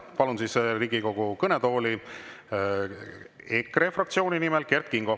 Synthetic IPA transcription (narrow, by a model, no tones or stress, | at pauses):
pɑlunsisɾiːɡ̥iko̞ɡ̥ukɤned̪o̞ːli | ekre̞frɑk̚t̪sio̞ːninimelke̞rt̪kiŋɡ̥o